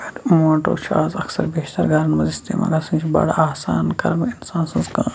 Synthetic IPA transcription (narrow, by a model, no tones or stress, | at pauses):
ɐɾmoːɳʈoːt͡ʃʰaːzɐksɐɾbeːʃt̪ɐɾɡʱɐɾɐnmɐzist̪ḛːma̰ːɡɐsĩːt͡ʃʰibɐ̰ɽaaːsaːnkɐɾminsaːnsɐ̃nzkãː